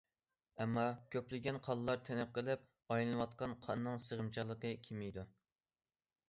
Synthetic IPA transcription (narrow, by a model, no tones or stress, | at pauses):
ɛmːɑkʲʰøplɪɡʲɛnqʰɑlˠlˠɑɾt̪ʰɛnɪp̚qəlˠɪp̚ | ɑjlˠɨnɨwɑt̪̚qɑnqʰɑnːɨŋsəʁəmt͡ʃʰɑlˠːəqəkʲʰimijd̪u